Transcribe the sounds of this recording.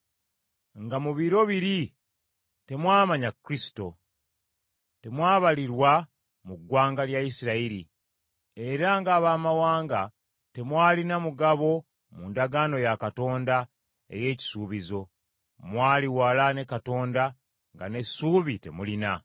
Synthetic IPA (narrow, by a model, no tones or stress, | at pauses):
ŋɡamuβiɾo̞βiɾi | te̞mwaːmaɲakɾisi̥to̞ | te̞mwaːβaliɾwa | muɡwaːŋɡaljaisiɾaiɾḭ | e̞ɾaŋɡaːβaːmawaːŋɡa | te̞mwaːlinamuɡaβo̞ | muːndaɡaːno̞jakato̞ːnda | e̞̰je̞ːci̥suːβizo̞ | mwaːliwaːlane̞kato̞ːnda | ŋɡa̰ne̞suːβite̞̰mulina